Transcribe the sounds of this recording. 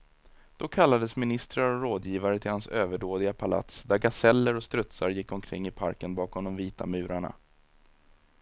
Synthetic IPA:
d̪̥ɔkʰalːad̪əsmɪnɪst̪ɾaɾɔɾoːd̪jiːvaɾət̪ʰɪlhansøːvəɖoːd̪ɪɡapʰala̰t̪sd̪æɾɡasɛlːəɾɔst̪ɾɵt̪saɾjɪkːɔmkʰɾɪŋːɪpʰa̰ɾkənbɑːkʰɔmd̪ɔmviːt̪a̰mʉ̟ːɾaɳa̰

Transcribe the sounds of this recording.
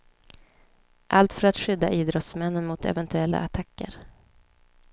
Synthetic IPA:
ʔalt̪fœɾat̪ɧʏd̪ːaʔiːd̪ɾɔt̪smɛnːənmʊt̪ɛ̰vɛnt̪ʰɵɛlːa̰ʔat̪ʰakːə̰ɾ

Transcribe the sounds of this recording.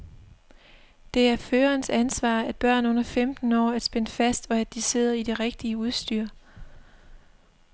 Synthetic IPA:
d̥e̝æɐføːɐnsænsʋɑ̰̈ːæd̥̚b̥ɶɐ̰nɔ̽n̰ɐfemd̥n̩ɒ̰ːæd̥sb̥enəfæsd̥ɒ̽æd̥̚ise̝ð̰ˠɐid̥eʁeɡ̥̚d̥iəuð̞ˠsd̥yːɐ̰

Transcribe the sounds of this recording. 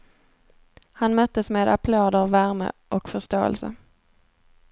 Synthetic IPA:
hanmœt̪ːəsmeːd̪apʰloːd̪əvvːæɾmə̰ʔɔkfœʂt̪oːɛ̰lsə̰

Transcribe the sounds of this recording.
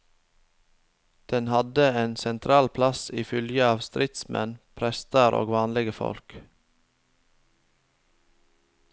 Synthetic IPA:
d̪̥ɛnhɑd̪əeːnsɛnt̪ʰɾɑːlpʰlɑsiːfʏljəɑːʋst̪ɾɪt̪smɛ̰npʰɾɛst̪əɾʔo̰ːɡʋɑːnlɪɡəfɔ̰lk

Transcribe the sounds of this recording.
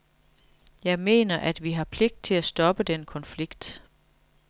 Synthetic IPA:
jɑ̈ɪme̝̰ːnɐʔæd̥ʋiɦɑ̈pʰle̝ɡ̥̚d̥̚t͡sʰe̝læsd̥ɒ̽b̥əd̥enkʰɒ̽nfliɡ̥d̥

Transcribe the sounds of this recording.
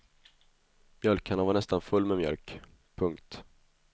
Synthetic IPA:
mjœlkʰanavaɳɛst̪anfɵlːmɛmjœ̰lk | pʰɵŋkt̪

